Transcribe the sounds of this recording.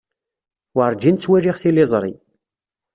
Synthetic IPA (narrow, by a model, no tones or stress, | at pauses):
waɾˤd͡ʒint͡sːwæɾiʁθilizˤɾˤḭ